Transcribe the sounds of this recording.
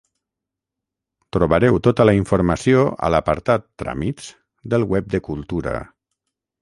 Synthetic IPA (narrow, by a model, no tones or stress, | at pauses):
t̪ɾuβəɾɛwt̪ot̪ələiɱfuɾməsioə̰ləpəɾt̪at̪ːɾa̰miz̥ | d̪əlˠwɛp̚d̪əkulˠt̪uɾə̰